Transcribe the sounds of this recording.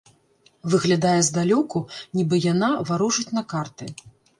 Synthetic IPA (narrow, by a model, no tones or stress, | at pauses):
vɨɣlʲad̪ajɛzd̪alʲɔkunʲibɨjanavaɾuʐɨt͡sʲn̪ɐkart̪ɨ